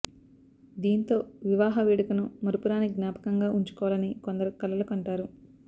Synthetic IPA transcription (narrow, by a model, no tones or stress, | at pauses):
d̪iːnt̪o̞ːʋiʋaːɦɐʋiːɽɐkɐnumɐɾupuɾaːniɡnjaːpɐ̥kɐŋɡaːʔuɲt͡ʃu̥kɔːʋɐlɐnikond̪ɐɾukɐlɐlɐkɐɳʈaːɾu